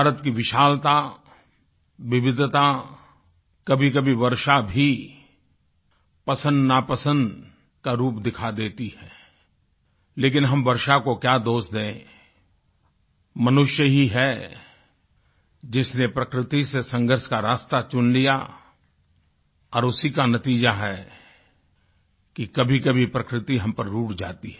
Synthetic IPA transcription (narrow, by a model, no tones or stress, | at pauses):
bʱaːɾət̪kiʋɪʃaːlt̪a | ʋɪʋɪd̪t̪a | kɐbʱik̬ɐbʱiʋɐɾʃabʱi | pɐsə̃nd̪napɐsə̃nd̪ | kaɾuːpd̪ɪkʰad̪eːt̪ihɛː | leːkɪnɦɐmʋɐɾʃakokjaːd̪oːsd̪ẽː | mɐnʊʃjəɦiɦɛ | d͡ʒɪsnepɾɐkɾɪt̪isesɐ̃ŋɡʱəɾʃkaɾaːst̪at͡ʃʊnlija̰ | ɔːɾʊsikanɐt̪iːd͡ʒaɦɛ | kikɐbʱikɐbʱipɾɐkɾɪt̪iɦɐ̃mpɐɾːuːʈd͡ʒa̰ːt̪iɛ